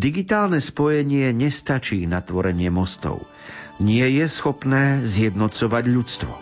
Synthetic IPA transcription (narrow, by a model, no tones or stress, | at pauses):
d̪iɡit̪aːlnɛspɔjɛɲɪɛɲɛst̪at͡ʃiːnat̪ʋɔɾɛɲɪɛmɔst̪ɔ̰ʊ | ɲɪɛjɛsxɔpnɛːzjɛd̪nɔt͡sɔʋaɟʎut͡st̪ʋɔ̰